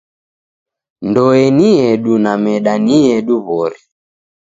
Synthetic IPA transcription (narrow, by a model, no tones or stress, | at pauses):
ndɔɛniɛɗunamɛɗaniɛɗuβɔɾi